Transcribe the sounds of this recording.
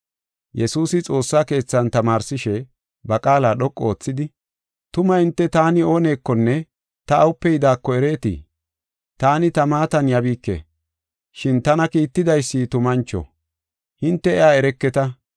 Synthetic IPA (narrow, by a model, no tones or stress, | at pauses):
jɛsuːsɪt͡sʼo̞ːsːaːke̞ːt͡sːɐnt̪ɐmaːɾsɪʃɛ | bɐkʼaːlaːɗɔkʼːoːt͡sːɪd̪ɪ | t̪ʊmɐhɪnt̪ːɛt̪aːnɪo̞ːne̞ːkːɔnːɛ | t̪ɐːwʊpːɛjɪd̪aːkːɔɛɾe̞ːt̪ɪ̰ | t̪aːnɪt̪ɐmaːt̪ɐnjɐbiːkːḛː | ʃɪnt̪ɐnɐkiːt̪ːɪd̪ɐjsːit̪ʊmɐnt͡ʃːɔ̰ | hɪnt̪ːɛɛjaːɛɾɛkːɛt̪ɐ